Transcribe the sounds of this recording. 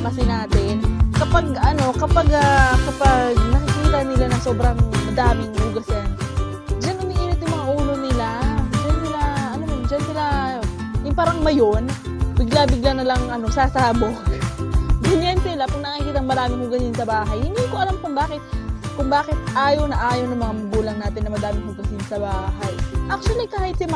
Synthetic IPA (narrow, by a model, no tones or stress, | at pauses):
mɐsɪnaːt̪ɛkɐpaɡ̚ɐno̞kɐpaɡakɐpaɡ̚nɐkɪkiːt̪ɐnɪlanɐŋso̞ːbɾɐŋɐd̪aːmɪŋluɡɐsɛn | d͡ʒanʊmiʔiːnɪt̪jʊŋmɐŋaʔuːlonɪlad͡ʒansɪlaʔɐnomʊnd͡ʒɐnsɪla | jʊŋpaːɾɐŋmɐjo̞n | bɪɡlabɪɡlanɐlɐŋʔɐno̞saːsaːbo | ɡɐnjansɪlapɐŋnɐkikiːt̪ɐŋmɐɾaːmɪŋhʊɡɐsɪnsɐbaːɦɐjhɪnd̪ikoʔɐlamkʊŋbaːkɪt̪̚kʊŋbaːkɪt̪̚ʔaːjownɐʔaːjownɐŋmɐŋamɐɡuːlɐŋnaːt̪ɪnːɐmɐd̪aːmɪŋhʊɡɐsɪnsɐbaːhɐjʔak̚t͡ʃ̪wɐlikaːhɪt̪sɪm